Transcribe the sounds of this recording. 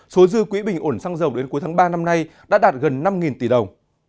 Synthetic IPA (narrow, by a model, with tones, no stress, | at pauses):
so˨˦zɨ˧əkwi˨˦ɓï˨˩ŋ̟ʔo˧˩nsaː˧ŋzə˨˩wɗe˨˦nku˨˦jt̪ʰaː˨˦ɓaː˧na˧mna˧jɗa̰ː˧˦˥ɗaː˨˩t̚ɣə˨˩nːa˧mŋi˨˩nt̪i˧˩ɗə˨˩wŋ͡m